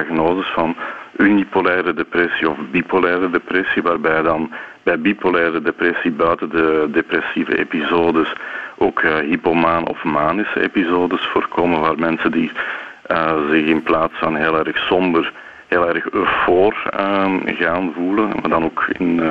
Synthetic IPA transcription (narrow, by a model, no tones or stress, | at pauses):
aɣnoːzəsfɑnynipolɛːɾədeprɛsiɔfbipolɛːɾədeprɛsiʋaːrbɛjdɑnbɛjbipolɛːɾədeprɛsibœːɥtəndədepɾɛsivə̰ʔḛpizoːdəsʔoːkɦipomaːnɔ̰fmaːnɪsəḛpizoːdəsfoːrkoːmənʋaːrmɛnsəndi | əzɪxɪnplaːtsfɑnɦeːlˠɛrxsɔmbər | ɦeːlɛrxøfoːr | ɣaːnvuləmaːrdɑnoːkɪn